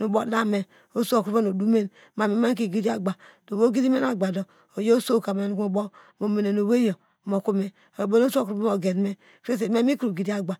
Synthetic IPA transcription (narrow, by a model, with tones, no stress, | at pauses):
nu˨bo˦la˦me˨ | o˦su˦o˨kɾu˦be˦no˨du˦me˦n | ma˨mi˨˦ma˦ŋ˦k̬i˨ɡi˦di˦a˦ɡ͡ba˨do˨bo˦ɡi˦di˦me˦na˨ɡ͡ba˨do˨ | o˨jo˦so˦˨ka˨me˨n˦ku˨bo˦ | mo˨me˨ne˨no˨we˦jo˨ | mo˨ku˦me˨ | o˨bo˦no˦su˦o˦˨kɾu˦be˦mo˨ɡe˨n˦me˦ | kɾe˦s̬e˨me˦mi˦ku˦ɾu˨ɡi˨di˦a˦ɡ͡ba˨